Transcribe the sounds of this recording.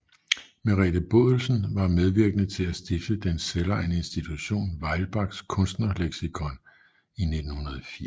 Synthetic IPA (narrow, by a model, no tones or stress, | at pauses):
meʁḭd̥əb̥ɔ̝ðˠl̩sn̩ʋɑ̈með̞ˠʋiɐɡ̥ənət͡sʰe̝læsd̥ifd̥əd̥enselɐene̝nsd̥it͡sʰuɕo̝̰ːnʋɑ̈ɪlb̥ɑ̈ɡ̥skʰɔ̽nsd̥nɐleɡ̥sikʰɒ̽n | ine̝d̥n̩hunɐð̞ˠɒfi